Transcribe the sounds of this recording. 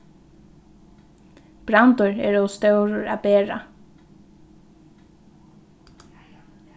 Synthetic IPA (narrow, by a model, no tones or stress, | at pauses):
b̥ɾant̪ʊɹɛ̰ːɹɔst̪œwɾʊɹa̰peːɹa̰